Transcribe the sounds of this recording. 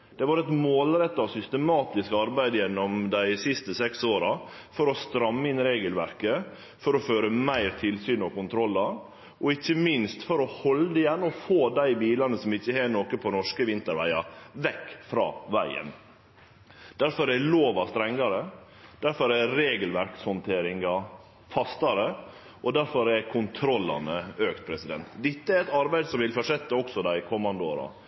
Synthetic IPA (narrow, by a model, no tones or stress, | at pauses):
d̪̥ɛʋɑɾɛt̪moːlɾɛt̪ːɑʋsʏst̪əmɑːt̪ɪskɑɾbæɪd̪əjɛnːɔmd̪æɪsɪst̪əsɛksoːɾɑ | fɔɾɔst̪ɾɑmːəɪnɾeːɡəlʋæɾkə | fɔɾɔføːɾəmæɪɾt̪ʰɪlsyːnɔkʊnt̪ʰɾɔlːɑ | ʔɔɪçːəmɪnst̪fɔɾɔhɔlːəd̪əɪjɛnːɔfoːd̪æɪbiːlɑnəsɔmɪçːəheːnoːkəpʰɔnɔʂkəʋɪnt̪əɾʋæ̰ɪɑ̰ʋɛkːfɾɑ̰ːʋæɪə̰n | d̪̥æɾfɔɾæloːʋɑst̪ɾɛŋːɑɾə | d̪̥æɾfɔɾæɾeːɡəlʋæɾkshɔnt̪ʰeːɾɪŋɑ | fɑst̪ɑɾə | ʔɔd̪æɾfɔɾɛɾkʰʊnt̪ʰɾɔlːɑ̰nəøːkt̪̚pʰɾɛsɪd̪ɛ̰nt̪d̪ɛt̪ːəɛɾɛt̪ɑɾbæɪd̪sɔmʋɪlfɔʂɛt̪ːəɔksɔd̪æɪkʰɔmːɑnd̪əoːɾɑ̰